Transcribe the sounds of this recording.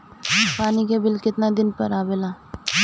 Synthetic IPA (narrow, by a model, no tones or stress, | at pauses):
paːnikebɪlkɪt̪nad̪ɪnpɐ̰ɾaːbelaː